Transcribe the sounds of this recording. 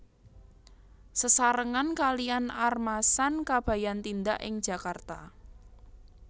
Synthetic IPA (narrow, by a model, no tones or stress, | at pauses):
səsaɾəŋankalianarmasankab̥ä̤jant̪ind̪aʔɪ̰ŋd̥ʒ̥a̤kart̪a